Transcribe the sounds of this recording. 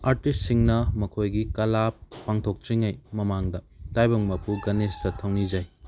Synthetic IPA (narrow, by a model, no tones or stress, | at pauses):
aɾtist̚siŋnɐmɐkʰojɡikɐlapːaŋtʰok̚t͡ʃiŋajmɐmaŋdɐ | tajbɐŋmɐpuɡɐnestɐtʰɐwnid͡ʒaj